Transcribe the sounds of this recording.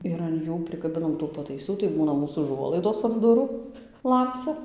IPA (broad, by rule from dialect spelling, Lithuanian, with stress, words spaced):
ɪr ɐn ˈjuː pʲrʲɪkɐˈbʲɪnɐm tuː pɐtɐɪˈsuː tɐɪ ˈbuːnɐ ˈmuːs ʊˈʒuɔlˠɐɪdoːs ɐn ˈdʊruː ˈlˠɐmʲsʲɛ